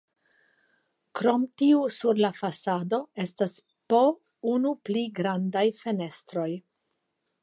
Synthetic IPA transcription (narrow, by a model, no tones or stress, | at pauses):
kɾo̞mtiusuɾlafasado̞e̞stas | po̞ | unupliɡɾandajfe̞ne̞stɾo̞j